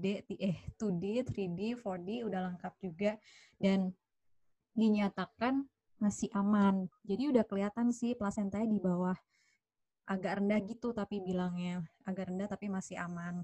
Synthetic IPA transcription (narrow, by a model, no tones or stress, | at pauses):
dɛʔt̪iʔɛht̪udit̪ɾidifordiudahlaŋkap̚d͡ʒuɡa | dan | diɲat̪akan | masɪhʔamand͡ʒadiudahkəliat̪ansɪhplasɛnt̪ajadibawah | ʔaɡaʔrəndahɡit̪ut̪apibilaŋɲaaɡaʔrəndaht̪apimasɪhaman